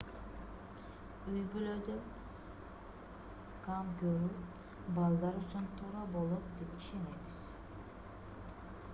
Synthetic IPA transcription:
yjbylød̪ø | kʰamɡʲøɾyp | balˠd̪ɑɾut͡ʃʰunt̪ʰuɾabolˠopd̪ipiʃenebiz̥

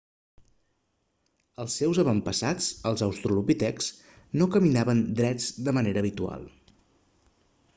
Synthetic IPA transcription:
əlˠsːɛwzəβəmpəsat͡səlˠzəwst̪ɾulupit̪ɛks | nokəminaβənd̪ɾɛd͡zd̪əməneɾəːβit̪ua̰lˠ

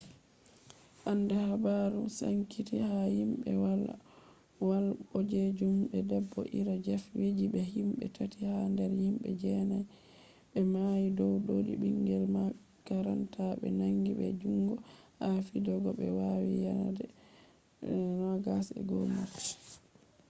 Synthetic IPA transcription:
ʔandɛhabaɾusa̰ŋkʰitihahimɓɛ̰wal | walɓɔd͡ʒed͡ʒumɓɛdɛbːɔ̰ʔiɾad͡ʒɛfwed͡ʒiɓɛhimɓɛ̰tʰatihandɛɾhimɓɛ̰d͡ʒɛnaj | ɓɛmajidɔwɗoɗḭbiŋɡɛlma | kaɾantʰaɓɛ̰naŋɡiɓɛ̰d͡ʒuŋɡɔhafidɔɡɔɓɛwawijaadɛ | nɔɡasɛ̰ɡɔlmapːɛ̥

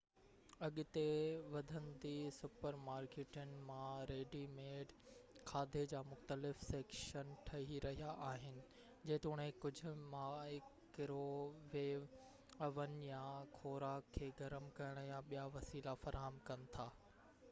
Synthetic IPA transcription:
ɐɠʊ̆t̪eʋɐd̪ʱənd̪isʊpəɾmaːɾkeːʈənɪ̆mãɾeːɖimeːɖkʰaːd̪ʱed͡ʑaːmʊxt̪əlɪfseːkʃənʈʰɐɦiɾɐɦijaʔaːɦɪnɪ̆ | d͡ʑɐɦɪ̃t̪eʊɽ̃ẽkʊd͡ʑʱʊ̆mãɪkː | ɪɾoʋeːʋ | ɐʋənɪ̆jãkʰoːɾaːkʰːeːɡɐɾəmkɐjəɽ̃jãɓijaʋɐsiːlafɐɾaːɦəmkɐnɪ̆t̪ʰaː

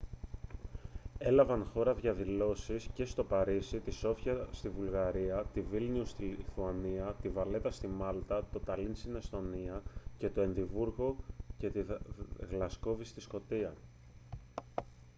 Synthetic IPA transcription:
e̞lɐvɐnxo̞ɾɐðʝɐðilo̞sisce̞st̪o̞pɐɾisit̪iso̞fçɐst̪ivulɣɐɾiɐt̪ivilniust̪ilθuɐniɐt̪ivɐle̞t̪ɐst̪imɐlt̪ɐt̪o̞t̪ɐlinst̪inest̪o̞niɐce̞t̪oe̞nðivuɾɣo̞ce̞t̪iɣlɐsko̞vist̪isko̞t̪iɐ

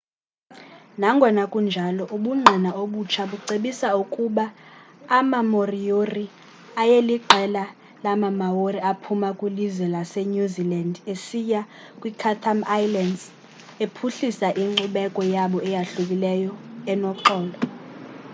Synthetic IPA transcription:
naŋɡʱɔnakʼund͡ʒʱalɔʔuɓuŋ͡ǀʱinaoɓut͡ʃʰaɓuǀeɓisaukʼuɓaː | mamorijori | ajeliɡ͡ǃʱɛla | lamamaworiapʰumakʼwilizwɛlaseɲuzilandesija | kʼwikʰatʰamajlandz | epʰuɬisaʔiŋ͡ǃuɓɛkʼɔjaɓɔɛjaɬuk̬ʼilɛjɔɛnɔǃɔːlɔ

